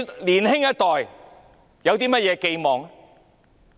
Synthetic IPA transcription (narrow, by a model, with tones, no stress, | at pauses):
liː˨˩nhɪ˥ŋjɐ˥t̚t̪ɔː˨j | jɐ˨˧wt̪̬iː˥mɐ˥t̚jɛː˨˧ke˧jmɔː˨ŋ